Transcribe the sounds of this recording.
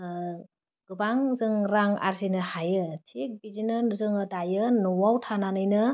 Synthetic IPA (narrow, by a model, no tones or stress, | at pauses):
ɡ̥ɯbaŋzɯŋɾaŋa̰ɾsinɯhajɯtʰik̚bid͡ʒinɯnuzɯŋɯdajɯnuwawtʰananɯjnɯ